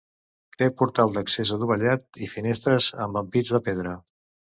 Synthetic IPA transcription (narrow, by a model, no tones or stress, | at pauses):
k̪epuɾt̪alˠd̪əksezəðuβəʎat̪̚ifinest̪ɾəzə̰mbəmpid͡zðəpeð̞ɾə